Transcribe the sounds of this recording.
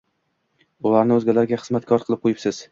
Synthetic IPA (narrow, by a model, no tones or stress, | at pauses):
ʊlaɾnɪɵzɡʲalaɾɡʲaχɨzmat̪kʰɒɾqʰɨlˠɪp̚qʰojɪpsɪz̥